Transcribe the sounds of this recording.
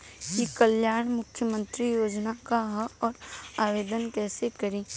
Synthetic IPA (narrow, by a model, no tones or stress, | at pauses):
kikəljaːɳ̃mʊkʰjəmə̃nt̪ɾijoːd͡ʒnakaɦəɔːɾaːʋeːd̪ənkɛːsekɐɾĩː